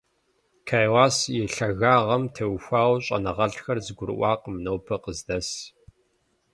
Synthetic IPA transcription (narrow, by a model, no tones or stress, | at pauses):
kʰaːjwaːsjɛɬɐɣaːʁɐmtʰɐwxʷaːwɕʼɐ̰nɐʁɐɬxɐrzɨɡʷʊɾɨ̰ʔʷɑːqəmɨnɐwpʰɐqəzdɐs